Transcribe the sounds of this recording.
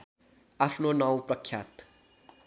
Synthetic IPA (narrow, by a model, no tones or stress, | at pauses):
apʰnonaw̃prʌkʰːjat̪